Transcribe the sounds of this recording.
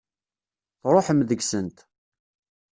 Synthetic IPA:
θɾˤoħəmðəɡsənt̪

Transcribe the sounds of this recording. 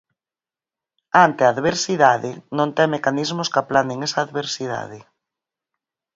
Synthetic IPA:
ant̪eaːðβeɾsiðaðɪnõnt̪ɛŋmekanizmʊskapland̪ɪŋesaːðβeɾsiða̰ðɪ

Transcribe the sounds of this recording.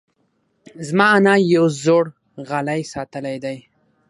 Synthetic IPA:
zmɑanɑjawzoɽ | ɣalajsɑt̪əlajd̪aj

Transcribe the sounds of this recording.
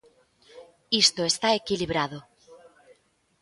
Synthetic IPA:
ist̪oest̪aekiliβɾaðo

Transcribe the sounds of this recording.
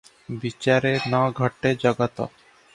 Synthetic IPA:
bit͡ɕaɾenɔɡʱɔʈːed͡ʑɔɡat̪o̰

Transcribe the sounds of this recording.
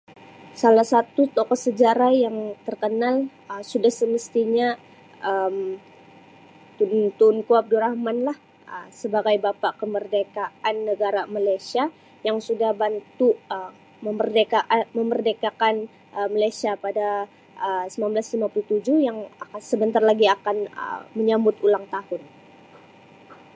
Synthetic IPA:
salahsat̪ut̪okɔsəd͡ʒaɾajaŋt̪ərkənal | əsudahsəməst̪iɲa | ʔəm | t̪unt̪unkuab̚duɾahmanlah | əsəbaɡajbapaʔkəmərdekaanːəɡaɾamalajsia | jaŋsudahbant̪uə | məmərdekaʔaməmərdekakan | əmalajsiapada | əsəmanblaslimapuluht̪ud͡ʒʊhjaŋakansəbənt̪arlaɡiakanə̰məɲambʊt̪ulaŋt̪ahʊn

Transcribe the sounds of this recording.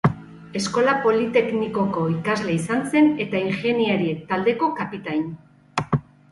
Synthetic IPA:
e̞sko̞lapo̞lit̪e̞kniko̞ko̞ikazle̞isanse̞ne̞t̪aiŋxe̞niaɾiek̚t̪ald̪e̞ko̞kapit̪aɲ

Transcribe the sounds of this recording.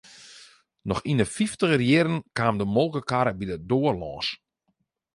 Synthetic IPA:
nɔxinəfiftəɣərjɪɾənkaːmdəmolˠkəkaɾəbidədoːərlɔːs

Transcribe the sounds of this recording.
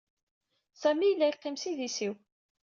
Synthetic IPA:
sæmijəlːæjqːimsiðisiw

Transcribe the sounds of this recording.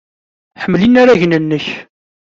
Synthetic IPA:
ħəmːlinaɾaʝnənːəç

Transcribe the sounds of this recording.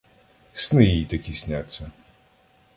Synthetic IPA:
snɨjit̪ɐkʲisʲnʲat̪sʲɐ

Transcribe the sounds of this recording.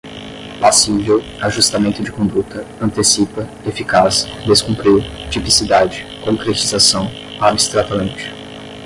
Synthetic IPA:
pasivew | aʒust̪amẽnt̪ʊd͡ʒɪkõnd̪ut̪ɐɐ̃nt̪esipɐ | efikasd̪eskũmpɾiwt͡ʃipisid̪ad͡ʒɪkõŋkɾet͡ʃizasɐ̃w̃ | abist̪ɾat̪ɐmẽnt͡ʃɪ̥

